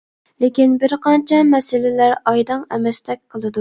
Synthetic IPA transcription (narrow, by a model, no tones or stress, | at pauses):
lɪkʲinbɪɾqɑnt͡ʃʰɛmɛsɪlɪlæɾɑjd̪ɑŋɛmɛst̪ʰɛk̚ʲqʰəlˠɨd̪u